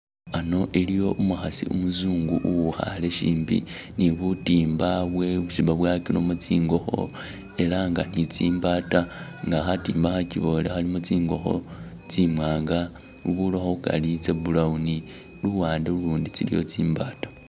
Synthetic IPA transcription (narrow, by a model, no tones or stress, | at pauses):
ano̞ʔilijo̞ʔumuxasḭumuzuːŋɡuʔuβuxa̰le̞ʃiːmbḭniβutiːmbaβwe̞βusiβbaβwakinomut͡siːŋɡo̞xo̞̰ | e̞laŋɡanit͡siːmbaːtaŋɡaxatiːmbaxaciβo̞lexalimot͡siːŋɡo̞xo̞̰ | t͡simwaːŋɡa | uβuloxoβuka̰lit͡sebulauni | luwaːndeuluːndit͡silḭjo̞̰t͡siːmbaːtḁ